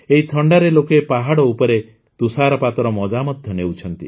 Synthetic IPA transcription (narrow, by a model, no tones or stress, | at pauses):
eɦit̪ʰɔɳɖaɾelokepaɦaɽɔupɔɾe | t̪usaɾɔpat̪ɔɾɔmɔd͡ʒamɔd̪ʱjɔnewt͡ʃʰɔnt̪ḭ